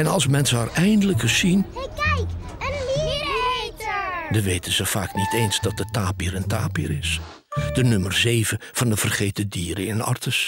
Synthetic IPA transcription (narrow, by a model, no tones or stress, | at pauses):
ɛnɑlˠsmɛnsəərɛjndələkəsinj | dəʋejtənzəv̥aːknitejnzdɑt̚dətaːpiːɾəntaːpiːɾɪs | d̥ənɵmərzejvəv̥ɑndəv̥ərχejtədiːɾəɪnɑ̰ɹtəs